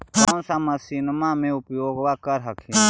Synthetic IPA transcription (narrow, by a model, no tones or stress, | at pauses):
konsamɐsinmãːmẽʊpjoːɡʋaːkəɾɦɐkʰi